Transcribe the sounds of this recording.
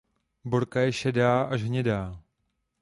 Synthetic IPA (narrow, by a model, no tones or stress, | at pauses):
boɾkajɛʃɛdaːʔaʒɦɲɛdaː